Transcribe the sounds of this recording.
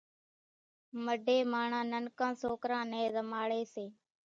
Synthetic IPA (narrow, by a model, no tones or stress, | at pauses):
məɖʱeːmaːɳãːnənkãːsoːkɾãːnẽːzəmaːɭeːseː